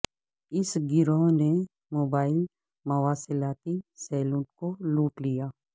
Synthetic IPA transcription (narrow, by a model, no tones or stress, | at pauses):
ɪsɡɪɾõːne | moːbaːɪl | mɐwaːsɪlaːt̪isɛːlũːʈkoluːʈlijaː